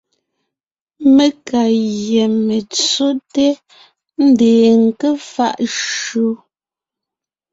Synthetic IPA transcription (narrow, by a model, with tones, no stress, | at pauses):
me˦ka˨jɛ˨me˨t͡so˦te˦ | n̩˦deː˨ŋ̩˨ke˦fa̰˦˨ʔʃo˦